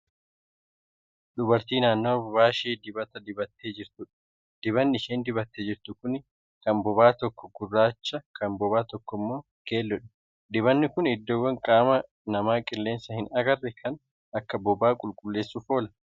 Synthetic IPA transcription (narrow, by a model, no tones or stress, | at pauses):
ᶑʊbɐɾt̪iːnaːnːo̞ːbbaːʃeːd̪ɪbɐt̪ɐd̪ɪbɐt̪ːe̞ːd͡ʒɪɾt̪ʊᶑɐ̥ | d̪̥ɪβɐnːɪɪʃeːnd̪ɪbɐt̪ːeːd͡ʒɪɾt̪ʊkʊn | kɐnbɔbaːt̪ɔkːɔɡʊrːaːt͡ʃːɐkʰɐnbɔβaːt̪ɔkːɔɪmːo̞ː | ke̞ːlːɔᶑɛ̥ | d̪ɪβɐnːɪkʊnɪd̪ːoːwːɐŋkʼaːmɐ | nɐmaːkʼɪlːe̞ːnsɐhɪnɐɡɐrːɛkʰɐn | ɐkːɐbɔbaːkʼʊlkʼʊlːe̞ːsːʊfo̞ːlɐ̥